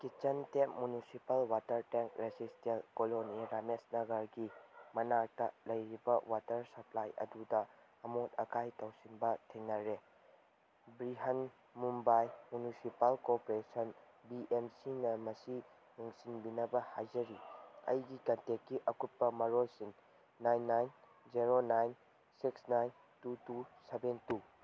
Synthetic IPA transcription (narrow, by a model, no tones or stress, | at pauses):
kit͡ʃɐntekmunisipalwatɐɾteŋkɾezistelkoloniɾamesnɐɡɐɾɡimɐnak̚tɐlɐjɾibɐwatɐɾsɐpʰlajʔɐ̰dudɐː | mot̚ɐkʰajtɐwsinbɐtʰeŋnɐɾe | bɾiɦɐn | mumbajmunisipalkopoɾesɐn | biʔemsinɐmɐsi | niŋsinbinɐbɐhajzɐɾiɐ̰jɡikɐntekːiʔɐkut̚pːɐmɐɾolsiŋ | najnːajn | d͡ʒiɾonajn | siksnajn | tutusebentu